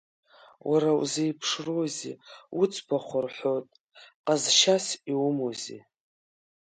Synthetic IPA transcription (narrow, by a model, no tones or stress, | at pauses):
wʔaɾaw̰zejpʰʂrozḭut͡sʰʼbʰaχʷʊrħʷojtʼ | qʼazʃasiumozḭ